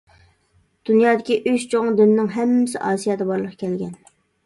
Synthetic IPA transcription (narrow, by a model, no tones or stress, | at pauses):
d̪̥unjɑːd̪ɪkʲiʔyʃt͡ʃʰoŋd̪ynɪnɪŋɦɛmːɪsɪ̰ʔɑːsijɑd̪ɛbɑɾlˠəqʰkʲʰɛlɡʲɛ̰n